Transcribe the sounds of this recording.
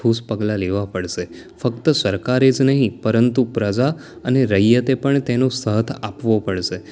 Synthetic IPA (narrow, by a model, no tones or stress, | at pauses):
uspəɡlaleʋapəɽʃe | fəkt̪əsəɾkaɾed͡ʒnəɦĩpəɾənt̪upɾəd͡ʒa | əneɾəjjət̪epəɳt̪enost̪əɦt̪ʰapʋopəɽʃe